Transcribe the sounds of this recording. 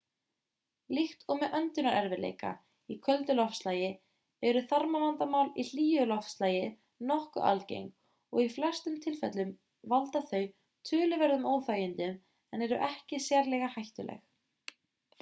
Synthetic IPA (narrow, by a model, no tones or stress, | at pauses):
lixt̪ɔɣmɛʔœnt̪ʏnaɾʔɛɾvɪlḛjka̰ | ikʰœlt̪ʏlɔfslaːjɪ | ɛɾʏθaɾmanant̪amaːwlil̥iːjʏlɔfslaːjɪ | nɔhkʏ̰ʔa̰lcḛjŋ | ɔɣiflɛr̥st̪ʏmt̪ʰɪlfɛ̰t̪lʏm | valt̪aθœɥ | t̪ʰʏːlʏvɛɾðʏmoːwθajʏnt̪ʏm | ɛnɛɾʏ̰ʔɛhcɪsɛɾlɛɣahajht̪ʏ̰lʔɛ̰x